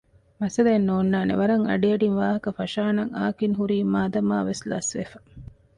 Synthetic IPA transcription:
mɐsɐlenːoːnːaːnḛʋɐɾɐŋɐ̰ɖiɐɖinʋaːɦɐkɐfɐʃaːnɐŋa̰ːkiŋɦuɾiːmaːd̪ɐma̰ːʋeslɐ̰sʋḛfɐ̥

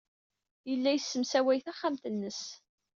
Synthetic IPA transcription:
jəlːæjəsːəmsæwæjθæχːamt̪ənːəs

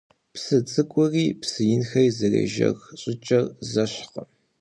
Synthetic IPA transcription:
psɨt͡sʼɨkʷʼʊriːpsɨjɪnxɐjzɐrɐ̰ʒɐ̰ɣɕʼɪt͡ʃʼɐrzɐɕqə̰

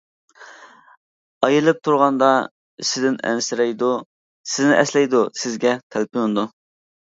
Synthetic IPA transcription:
ɑjilˠɪp̚t̪ʰuɾʁɑnd̪ɑ | ʃɪd̪ɪnɛ̰nsɪɾɛjd̪u | sɪznɪʔɛslɛjd̪usɪzɡʲɛt̪ʰælpʰɪjond̪u

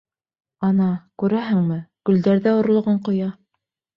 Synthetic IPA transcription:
ɑnɑkʉɾæɦɘŋmɘɡ̥ɵ̆ld̪æɾðæŏɾlˠŏʁɤɴqŏjɑ

